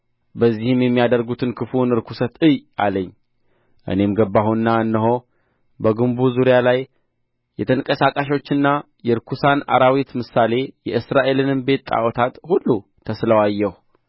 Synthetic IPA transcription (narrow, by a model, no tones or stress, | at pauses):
bəzːihɨmjɛmːijad̪əɾɡut̪ʰɨnkʰɨfunɨɾkʰusət̪ʰɨjʔa̰ləɲː | ʔɨ̰ne̞mɡəbaɦunːaɨnːəɦo̞ | bəɡɨmbuzuɾjalajː | ɛt̪ʰəŋkʼəsakʼaʃo̞t͡ʃːɨnːa | jɛɾkʰusana̰ɾawit̪mɨsale̞jɛʔɨsɾaʔe̞lɨnɨmbe̞t̪ːʼa̰wɔt̪ʰat̪hulːut̪ʰəsləwajːɛhu